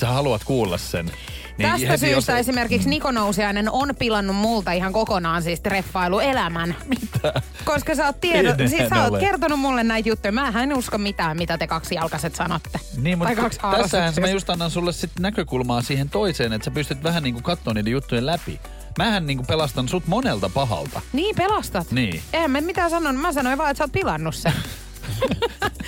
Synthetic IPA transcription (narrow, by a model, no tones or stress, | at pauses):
sæhɑluɑt̪kuːlːɑ̰ssḛn | nit̪æst̪æsyːst̪æesimerkiksnikonousiɑinenonpilɑnːummult̪ɑiɦɑŋkokonɑːnsiːst̪refːɑiluelæmænmit̪æː | koskɑsæoːt̪t̪ienːsisæoːtkert̪onummulːennæjt̪jut̪ːujmæːɦæenuskommit̪æːmmit̪æt̪ekɑksjɑlkɑset̪sɑnot̪ːeniːmmutɑikɑkst̪æsːæhænsmæjust̪ɑnːɑnsulːessit̪nækøkulmɑːsiːhent̪oiseːnet̪sæpyst̪yt̪ʋæhænniːŋkukɑt̪ːoːniːdejut̪ːujlæpḭ | mæːhænniːŋkupelɑst̪ɑnsut̪monelt̪ɑpɑɦɑ̰lt̪ɑ̰niːpelɑst̪ɑt̪nḭːehæmːæmmit̪æːsɑnːonumæsɑnoiʋɑːet̪sæoːt̪̚pilɑnːusːe